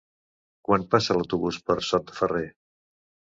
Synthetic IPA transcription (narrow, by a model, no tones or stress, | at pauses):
kwanpasələwt̪uβuspəɾsɔt̪əfəre